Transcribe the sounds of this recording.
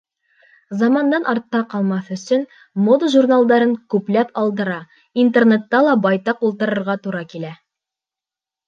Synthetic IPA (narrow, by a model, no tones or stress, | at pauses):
zɑmɑnd̪ɑnʔɑɾt̪ːɑqɑlˠmɑθɵ̆sɵn | mod̪əʒurnalˠd̪ɑɾɤŋkʉplæpɑlˠd̪ɤ̆ɾɑ | int̪ernet̪ːɑlˠɑbɑjt̪ɑqulˠt̪ɤ̆ɾɤ̆ɾʁɑt̪uɾɑkilæ